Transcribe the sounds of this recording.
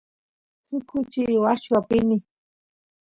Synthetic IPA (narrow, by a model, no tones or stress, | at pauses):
t͡sʊkʰʊt͡ʃiwaʃwapɪni